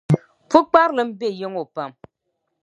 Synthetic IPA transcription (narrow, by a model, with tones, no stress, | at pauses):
pu˦k͡pa˦ɾlɨ˨m̩˦be˦˨je˦ŋo˨pa˨m